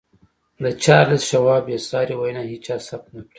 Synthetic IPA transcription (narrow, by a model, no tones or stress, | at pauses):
d̪ət͡ʃɑːɾləsʃawɑːbjasɑːɾiwajnaɦit͡ʃɑsap̚t̪̚nakɽi̥